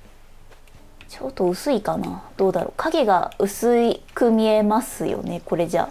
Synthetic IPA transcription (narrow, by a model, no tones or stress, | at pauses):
t͡ɕot̪ːo̞ɯ̟sɨikanad̪̥o̞ːd̪aɾoːkʰaɡe̞ɡa̰ɯ̟sɨikɯ̟mʲie̞masɨjo̞̰ne̞ko̞ɾe̞d͡ʑa̰